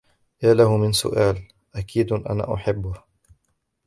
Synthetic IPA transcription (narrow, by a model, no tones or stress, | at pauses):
jaːlahʊmɪnsʊ̰ʔaːl | ʔakiːd̪ʔa̰na̰ːʔʊħabːʊh